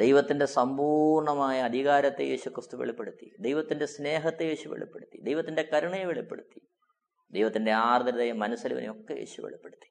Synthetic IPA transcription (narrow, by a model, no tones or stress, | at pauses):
d̪ejʋɐt̪ːinde̞sɐmbuːrɳɐmaːjɐːd̪ʱiɣaːɾɐt̪ːeje̞ːɕukrɨst̪uʋeɭipːeɽut̪ːḭd̪ejʋɐt̪ːinde̞sne̞ːɦɐt̪ːejeːɕuʋḛɭḭpːeɽut̪ːid̪ejʋɐt̪ːinde̞kɐɾɐɳɐjeʋeɭipːe̞̰ɽut̪ːi | d̪ejʋɐt̪ːinde̞aːrd̪ɐɾðɐjɐmːɐnɐsɐlḭʋɐ̰nḛjo̞kːejḛːɕuʋeɭipːeɽut̪ːi̥